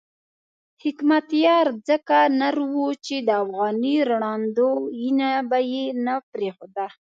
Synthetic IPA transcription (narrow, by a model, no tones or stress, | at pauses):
hɪkmat̪jɑɾd͡zəkanaɾwut͡ʃed̪əafɣɑniɾɳɑnd̪ojinabajenapɾexod̪a